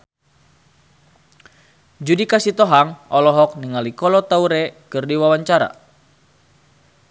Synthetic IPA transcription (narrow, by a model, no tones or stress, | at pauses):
d͡ʒudikasit̪ɔɦaŋɔlɔɦɔk̚niŋalikɔlɔt̪auɾɛkɨrdiwawaɲt͡ʃaɾa̰